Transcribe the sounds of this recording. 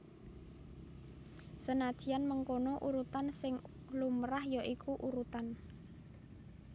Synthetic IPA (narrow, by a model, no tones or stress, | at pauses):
sənad̪̥i̤anməŋkonoʔuɾut̪ansɪŋ | lumɾahjaʔikʰuʔuɾut̪an